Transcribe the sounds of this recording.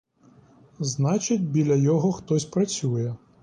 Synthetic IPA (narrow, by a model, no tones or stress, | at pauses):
znat͡ʃɨt͡sʲbʲilʲɐjɔɣɔxt̪ɔsʲpɾat͡sʲujɛ